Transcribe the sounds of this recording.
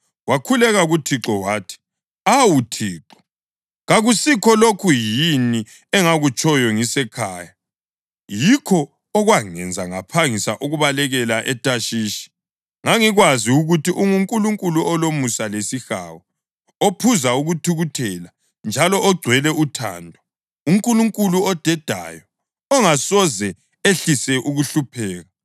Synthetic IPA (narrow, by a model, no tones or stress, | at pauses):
wakʰulɛɣaɣutʰiǁɔwaːtʰi̥ | awutʰiːǁɔ̥ | ɣaɣusikʰɔlokʰujini | ɛŋaɣut͡ʃʼɔjɔŋisɛkʰaːja | jikʰɔː | ɣwaŋɛ̰nd͡zʱaŋa̰pʰaŋisaʔuɣuβalɛɣɛlaʔɛtʼaʃiːʃi̥ | ŋaŋiɣwaziuɣutiʔuŋuŋkʼuluŋkʼuluʔɔlomusalesixa̰ːwɔ | opʰuzauɣutʰuɣutʰɛla | nd͡ʒʱalɔʔɔɡ͡ǀʱwɛlɛutʰa̰ːndʱɔ | uŋkʼuluŋkʼuluɔd̥ʱɛd̥ʱa̰jɔ | ɔŋasɔzɛ | eɬisɛʔuɣuɬupʰɛːɣa